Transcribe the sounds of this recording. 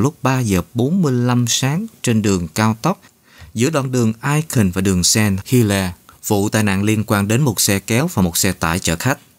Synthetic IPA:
lʊ˦˥k͡p̚ɓaː˧zəː˨˩ɓo˨˦nmɨ˧əjla˧msaː˨˦ŋt͡ɕe˧nɗɨ˨˩əŋkaː˧wt̪ə˦˥k͡p̚ | zɨ̰˧˥əɗwa̰˧˨nɗɨ˨˩əŋʔaː˧jxï˨˩ŋ̟vaː˨˩ɗɨ˨˩əŋsɛ˧nhi˧lɛ˧vṵ˧˨t̪a̰ː˧˨jna̰ː˧˨ŋli˧ənkwaː˧nɗe˨˦nmo˨˩t̚sɛ˧kɛ˨˦wvaː˨˩mo˨˩t̚sɛ˧t̪a̰ː˧˩jt͡ɕə̰ː˧˩xa˦˥k̚

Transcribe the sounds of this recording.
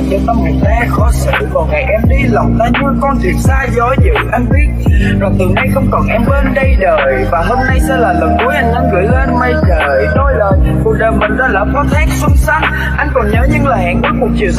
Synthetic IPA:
ɲə˧˩t̪a˧mki˨˩ət̚t̪a˨˦xɔ˨˦sɨ̰˧˨kɔ˨˩nŋa˨˩jʔɛ˧mɗi˧lɔ˨˩wŋ͡mt̪aː˧ɲɨ˧əkɔ˧nt̪ʰḭ˨˩ənsaː˧zɔ˨˦jzɨ̰˧˨ʔa˧jŋ̟ɓi˦˥ət̚ | zɔ˨˩t̪ɨ˨˩na˧jxə̰˧wŋ͡mkɔ˨˩nʔɛ˧mɓəː˧nɗə˧jɗəː˨˩jvaː˨˩ɦo˧mna˧jsɛ̰˧˥laː˨˩lə˨˩nku˧˩˦əʔa˧jŋ̟ɗa̰ː˧ɣɨ̰˧˩əjle˧nma˧˩jt͡ɕəː˧˨˩jɗo˧jləː˨˩jku˨˩ək̚ɗəː˨˩jmï˨˩ŋ̟zaː˧˦laː˧˩fɔ˨˦t̪ʰa˦˥k̚sɨ˧ŋ͡msa˦˥t̚ | ʔa˧jŋ̟kɔ˨˩nɲəː˨˦ɲɨ˧ŋlaː˨˩ha̰ː˨˩ŋki˨˦˥k̚mu˨˩t̚t͡ɕi˨

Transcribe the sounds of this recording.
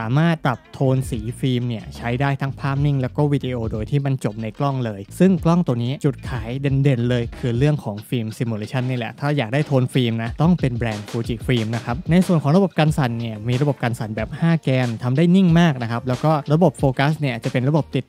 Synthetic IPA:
aː˩˦maː˥˩t̪̚ːɾa˨˩p̚t̪ʰoː˧nsiː˩˦fiː˧mni˥˩ɐt͡ɕʰa˦˥jdaː˥˩jt̪ʰa˦˥ŋpʰaː˥˩p̚ni˥˩ŋlɛː˦˥wkɔː˥˩wiː˦˧diː˧ʔoː˧doː˧jt̪ʰiː˥˩ma˧nt͡ɕo˨˩p̚na˧jklɔ˥˩ŋlɤː˧jsɯ˥˩ŋklɔ˥˩ŋt̪u˧niː˦˥t͡ɕu˨˩t̪̚kʰaː˩˦jde˧nde˧nlɤː˧jkʰɯː˧ɾɯ˥˩əŋkʰɔː˩˦ŋfiː˧msi˧mːuː˧leː˧t͡ɕʰa˥˩nːiː˥˩lɛ̰˨˩t̪ʰaː˥˩jaː˨˩k̚daː˥˩jt̪ʰoː˧nfiː˧mna˦˥t̪ɔ˥˩ŋpe˧nbɾɛː˧nfʰoː˧t͡ɕi˨˩fiː˧mna˦˥kʰa˦˥p̚na˧jsu˨˩ənkʰɔː˩˦ŋɾa˧bo˨˩p̚kaː˧nsa˨˩˦nːi˥˩ɐmiː˧ɾa˧bo˨˩p̚kaː˧nsa˨˩nbɛː˨˩p̚haː˥˩kɛː˧mt̪ʰa˧mdaː˥˩jni˥˩ŋmaː˥˩k̚na˦˥kʰa˦˥p̚lɛː˦˥wkɔː˥˩ɾa˧bo˨˩p̚foː˧ka˦˥sni˥˩ɐ˩t͡ɕa˨˩pe˧nɾa˧bo˨˩p̚t̪i˨˩t̪̚

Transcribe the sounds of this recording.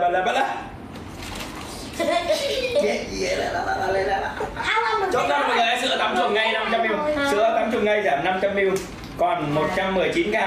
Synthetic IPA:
a˨˩lə˨˩bt̚ə˦˧ | i˧la˧˩la˧˨˩a˧la˧le˧la˧˨a˧˨˩ | t͡ɕɔ̰˧˨˩n̚ː˧˦˨aː˨˧˦sɨ̰˧ət̪a˧mt͡ɕʊ˨˧˩ŋ͡m̚ŋa˧jna˧mt͡ɕa˧mʔi˧wŋ͡msɨ˧˦ət̪a˧mt͡ɕʊ˨˧˩ŋ͡m̚ŋa˧˩jzaː˧˩mna˧mt͡ɕa˧mʔi˧w | kɔ˨˩nmo˨˩t̚t͡ɕa˧mː˨˩əjt͡ɕi˨˦nkaː˧˩

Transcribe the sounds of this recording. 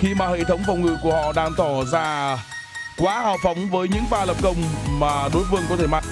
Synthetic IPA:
xi˧maː˨˩hḛ˧˨t̪ʰə˨˦wŋ͡mfa˨˩wŋ͡mŋɨ˨˧˨ku˧˩əhɔ̰˧˨ɗaː˧ŋt̪ɔ˧˩zaː˧ | kwaː˨˦haː˨˩wfa˨˦wŋ͡mvəː˨˦jɲɨ̰˧˥ŋfaː˧lə˨˩p̚kə˧wŋ͡mmaː˨˩ɗo˨˦jvɨ˧əŋkɔ˨˦t̪ʰe˧˩ma˧

